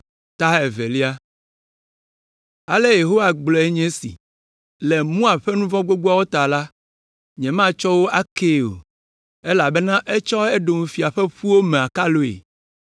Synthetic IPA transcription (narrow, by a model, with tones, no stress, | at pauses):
t̪a˦e˨ve˨li˦a˦ | a˨le˦je˨ɦo˦wa˨ɡ͡blɔ˨e˦ɲɛ̃˦sḭ˨ | lɛ˨mũ˦a˨ɸe˦nũ˦vɔ̃˦ɡ͡bo˦ɡ͡bo˦a˦wo˦t̪a˨la˦ | ɲɛ̃˨m˦ã˦t͡ʃɔ˦wo˦ʔa˦ke˦o̰˨ | e˦la˨be˦nã˦ʔe˦t͡ʃɔ˦e˦ɖo˨mu˨fi˨a˨ɸe˦ɸu˦wo˦mẽ˨a˨ka˦lo˦ḛ˨